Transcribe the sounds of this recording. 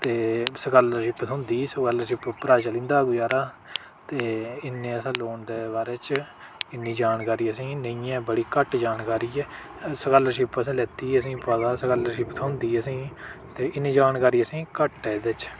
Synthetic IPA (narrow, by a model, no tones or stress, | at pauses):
t̪eːsəkələʃɪpt̪ʰːʊ̃nd̪iːsəkələɾʃɪppɾaːd͡ʒaːlĩːnd̪aːɡʊjaːɾaː | t̪eːɪnːẽːəsãːloːɳd̪eːbaːɾeːt͡ʃ | ɪnːiːd͡ʒaːnkaːɾiːəsĩːnəijãːbəɽiːkəʈd͡ʒaːnkaːɾiːɛː | səkələɾʃɪpəsĩːlɛːt̪iːəs̬ĩːpəd̪aːsəkələɾʃɪpt̪ʰəʊnd̪iːəsĩːt̪eːʔɪnːiːd͡ʒaːnkaːɾiːəsĩːkəʈɛːd̪et͡ʃ